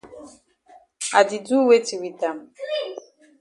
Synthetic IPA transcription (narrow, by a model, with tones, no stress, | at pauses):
a̰˨di˨du˦we˦ti˨wi˨ta˨m˨